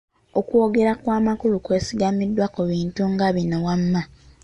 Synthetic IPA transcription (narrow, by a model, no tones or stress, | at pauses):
o̞kwo̞ɡe̞ɾakwaːmakulukwe̞ːsiɡamidːwakuβiːntuŋɡaβinowamːa